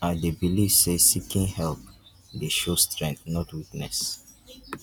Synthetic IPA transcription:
aɪdebiliv̥sesikĩnhɛlp̚ | deʃostɹɛ̃ŋk̚θnɔtwiknɛs

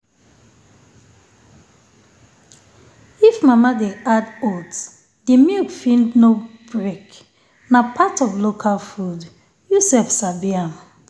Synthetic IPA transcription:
ifmamadeadots | d̥emilkfĩndnobɹek | napʰatɔvlokʰalfud | jusɛfsabiam

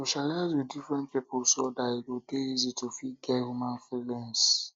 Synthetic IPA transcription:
soʃalaɪzwidifɹɛ̃nt̚pipɔsodaikudeizitufiɡɛthumãnfilɛ̃ns

